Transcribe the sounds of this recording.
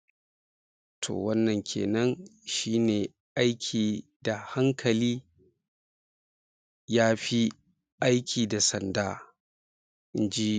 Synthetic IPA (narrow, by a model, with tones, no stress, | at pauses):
tʰo̰˨wɐ˦nːɐ˨ŋkʲʰḛː˨nɐ˦nʃiː˦neː˨ | ʔa˦jkʲʰiː˨ | da˨ha˦ŋkʰɐ˨liː˦ | jaː˦ɸi˦ | ʔa˦jkʲʰiː˨da˨sɐ˨ndaː˦ | ʔɪ˦nd͡ʒi˦